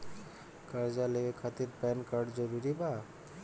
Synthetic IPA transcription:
kəɾd͡ʒaleekʰat̪iɾpɛnkaɾɖd͡ʒəɾuɾiba

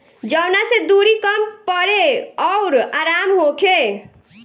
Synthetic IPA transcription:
d͡ʒəʊnased̪uɾikəmpəɾeɔʊɾaɾamɦokʰe

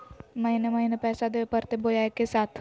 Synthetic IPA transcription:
mɐɦinemɐɦinepɛːsad̪eepəɾt̪ebod͡ʒaːjkesaːt̪ʰ

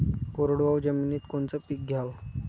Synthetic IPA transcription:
koɾoɽʋawd͡ʑəmiːniːt̪koɳt͡səpik̚ɡʱjaʋ

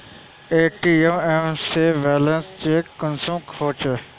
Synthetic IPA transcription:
eːʈioemseːʋeːlə̃nst͡ʃeːkənsũːmkʰoːt͡ʃ

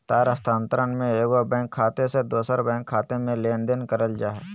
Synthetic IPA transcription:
t̪aːɾəst̪ãːnt̪əɾənmẽeːɡobɛ̃ːŋkʰːaːt̪esed̪oːsəɾbɛ̃ːŋkʰːaːt̪emẽleːnd̪enkəɾəld͡ʒaːɦɛ

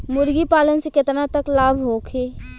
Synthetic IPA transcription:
mʊɾɡipaːlənsekɪt̪nat̪əklaːbʱɦoːkʰeː

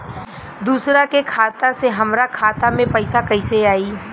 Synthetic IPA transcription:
d̪uːsɾakekʰaːt̪aseɦɐmɾakʰaːt̪amẽpɐɪsakɐɪseaːiː

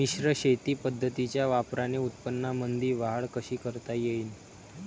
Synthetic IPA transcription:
miɕɾəɕet̪iːpəd̪ʱːət̪it͡ɕjaʋapɾaneut̪̚pənːamənd̪ʱiːʋaɦəɭkəɕiːkəɾt̪ajeiːn

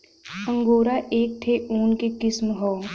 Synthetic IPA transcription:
ə̃ŋɡoːɾaʔeːk̚t̪ʰeʔuːnkekɪsmɦɔː

